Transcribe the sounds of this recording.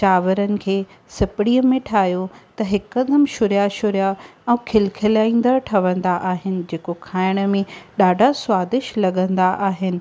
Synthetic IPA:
t͡ɕaːʋəɾənɪ̆kʰeː | sɪpɪɽiːəmẽʈʰaːɦijot̪ɐɦɪkːɐd̪ʱəmʃʊɾjaʃʊɾjaɛ̃ːkʰɪlkʰɪlaːĩːn̆d̪əɾʈʰɐʋə̃nd̪aʔaːɦɪnɪ̆d͡ʑeːkokʰaːɪɽ̃ə̆mẽɗaːɖʱasʊwaːzɪʃlɐɠə̃nd̪aʔaːɦɪnɪ̆

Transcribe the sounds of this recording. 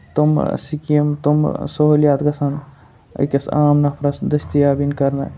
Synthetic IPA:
t̪omsikijɐmt̪omsoɦoljaːt̪ɡɐsɐn | ɐ̰kɐsa̰ːmnɐpʰɾɐsd̪ɐst̪ijaːbinkɐɾnɐ̰

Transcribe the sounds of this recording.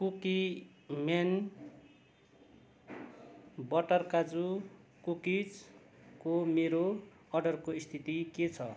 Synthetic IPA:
kuki | mjan | bʌʈʌrkad͡zukukit͡s | komeɾo | ʌrɖʌrkoist̪ʰit̪iket͡sʰʌ

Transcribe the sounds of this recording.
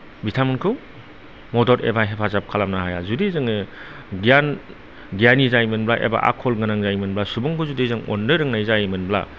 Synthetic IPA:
bitʰamunkʰɯw | mɔdɔɾḛbaɦepʰazap̚kʰalamnaɦaja̰zudizɯŋɯ | ɡijan | ɡjanizajmɯnblaʔḛba̰ʔa̰kʰɔlɡɯnaŋzajmɯnblasubuŋkʰuzudizɯŋo̰ndɯɾɯŋnajzajmɯnbla̰

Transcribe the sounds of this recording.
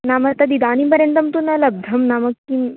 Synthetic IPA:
namət̪ɐd̪id̪añipəɾjənt̪ɐmt̪unɐlɐb̚d̪ʱɐmnaməkːi

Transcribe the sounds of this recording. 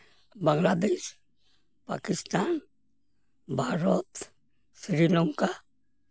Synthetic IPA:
bəŋɡlaːd̪eːʃ | pa̰ːkɪst̪aːn | bʱaːɾot̪ | sɾiloŋka

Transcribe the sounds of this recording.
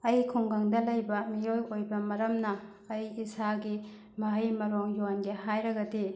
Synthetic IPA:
ɐjkʰuŋɡɐŋdɐlɐjbɐmijojojbɐmɐɾɐmnɐː | jisaɡi | mɐɦɐjmɐɾoŋjonɡeɦajɾɐɡɐdi

